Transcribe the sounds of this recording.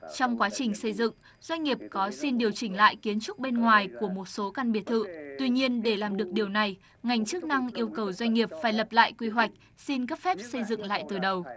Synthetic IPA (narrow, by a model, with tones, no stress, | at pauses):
t͡ɕɔ˧wŋ͡mkwaː˨˦t͡ɕï˨˩ŋ̟sə˧jzɨ̰˧˨ŋ | z̥wa˧jŋ̟ŋi˨˩əp̚kɔ˨˦si˧nɗi˨˩əwt͡ɕï˧˩ŋ̟la̰ː˧˨jki˨˦ənt͡ɕʊ˦˥k͡p̚ɓe˧nŋwaː˨˩jku˧˩əmo˨˩t̚so˨˦kaː˧nɓi˨˩ət̪ʰɨ̰˧˨t̪wi˧ɲi˧ənɗe˧˩laː˨˩mɗɨ˨˩ək̚ɗi˨˩əwna˨˩j | ŋa˨˩jŋ̟t͡ɕɨ˦˥k̚na˧ŋʔi˧əwkə˨˩wzwa˧jŋ̟ŋi˨˩əp̚faː˧˩jlə˨˩p̚la̰ː˧˨jkwi˧ɦwa˨˩jk̟̚ | si˧nkə˦˥p̚fɛ˦˥p̚sə˧jzɨ̰˧˨ŋla̰ː˧˨jt̪ɨ˨˩ɗə˨˩w